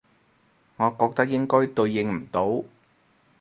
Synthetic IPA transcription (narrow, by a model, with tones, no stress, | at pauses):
ŋɔː˨˧kɔː˧k̚t̪ɐ˥k̚jɪ˥ŋkɔː˥jt̪ɵ˧ɥjɪ˧ŋm̩˨˩t̪o˨˥w